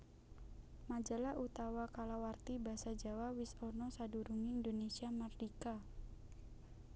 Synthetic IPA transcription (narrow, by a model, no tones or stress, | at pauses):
mad͡ʒalaʔut̪awakalawart̪ibasad͡ʒawawisɔnɔsaduɾuŋiːndonesiamardika